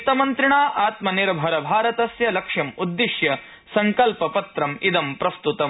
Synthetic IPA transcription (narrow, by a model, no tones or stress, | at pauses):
t̪ɐmɐnt̪ɾɪɳaːʔaːt̪mɐniɾɐbʱɐɾɐbʱaːɾɐt̪ɐsjɐlɐkʂɐmud̪ːiʃjɐ | sɐŋkɐlpɐpɐt̪ɾɐmid̪ɐmpɾɐst̪ut̪ɐm